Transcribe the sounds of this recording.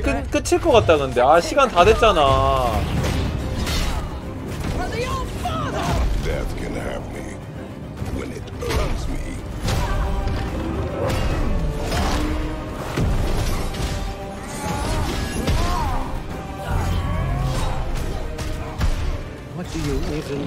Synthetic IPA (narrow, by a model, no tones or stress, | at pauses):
kɯnk͈ɯt͡ɕʰiɭk͈ʌk͈at̚t͈aɡɯnde̞aɕʰiɡantade̞t̚t͡ɕ͈ana | ðioʊdfʰaðæ̰tɡ̥ʌ̃nəhɨ̰pmḭ | wɛ̰̃nɪ̰ɾɜ˞nz̥mḭ | wʌd̥ɨjuebɨ